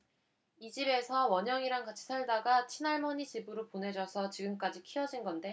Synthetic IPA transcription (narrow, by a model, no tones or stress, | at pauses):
id͡ʑibe̞sʰʌwʌɲʌŋiɾaŋɡat͡ɕʰi̥sʰaɭdaɡat͡ɕʰinaɭmʌɲit͡ɕibɯɾopone̞d͡ʑʌsʰʌt͡ɕiɡɯmk͈ad͡ʑikʰiʌd͡ʑinɡʌnde̞